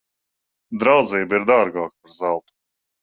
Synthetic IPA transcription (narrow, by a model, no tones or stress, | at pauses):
d̪ɾawd̪ziːbiɾd̪aːɾɡaːkḁpaɾzalˠt̪u̥